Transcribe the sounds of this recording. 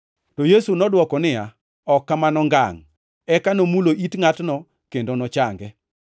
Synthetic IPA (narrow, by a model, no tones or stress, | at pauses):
tojesunɔdwɔkɔnɪja | ɔkːamanɔŋɡa̰ŋ | ɛkanomuloʔitŋatnɔ | kendonɔt͡ʃaŋɡɛ